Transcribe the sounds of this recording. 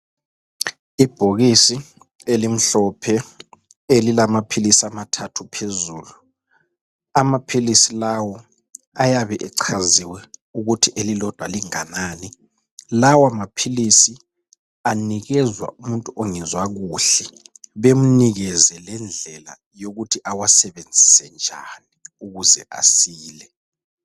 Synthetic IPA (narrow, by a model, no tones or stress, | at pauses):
ib̥ʱoɣisi | elim̩ɬɔpʰɛ | elilamapʰilisiamatʰatʰupʰezuːlu | amapʰilisilawɔ | ajaβɛʔɛǀʰaziwɛuɣutʰiʔelilɔd̥ʱwaliŋanaːni | lawamapʰilisi | aniɣɛzwa̰ʔumuntʼuʔoŋizwaɣuːɬɛβem̩niɣɛzɛlɛnd͡ɮʱɛla̰ | joɣutʰiʔawasɛβend͡zʱisɛnd͡ʒʱaniuɣuzɛʔa̰siːlɛ